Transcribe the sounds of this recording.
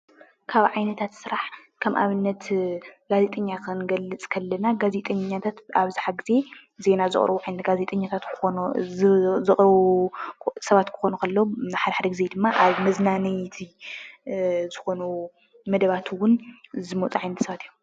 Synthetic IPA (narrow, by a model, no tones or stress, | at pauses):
kʰaβʕajnɐt̪ʰat̪sɨɾaħ | kʰɐmʔa̰βɨnːɐt̪ɡ̥aze̞t̪ʼɐɲːakʰɨnɡɐlːɨt͡sʼkʰɐlːɐnaɡaze̞t̪ʼɐɲɲːat̪ʰat̪aβzaħaɡɨze̞ze̞nazɨ̰χʼɾɐβuʕajnɐɡaze̞t̪ʼɐɲːat̪ʰat̪ | zɨʔʼɾu | sɐβat̪kʰɨ̥xo̞nukʰɐlːonħad̪ɐħad̪ɐɡizejd̪ɨmːaʔaβmɐznanɨjt̪ʰi | zɨxo̞nu | mɐd̪ɐβat̪ʰwʊnzɨmot͡sʼuʕajnɐt̪sɐβat̪ijho